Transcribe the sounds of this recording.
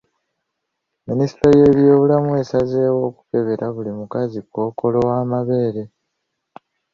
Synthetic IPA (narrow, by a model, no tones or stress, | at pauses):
minisitɾoje̞ːβjo̞ːβulamue̞ːsazeːwo̞ːku̥ke̞βe̞ɾʔaβulimukazikwo̞ːko̞lo̞waːmaβe̞ːɾe̞